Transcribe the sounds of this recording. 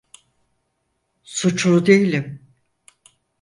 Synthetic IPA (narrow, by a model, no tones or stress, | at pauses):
sut͡ʃlˠud̪ejilʲim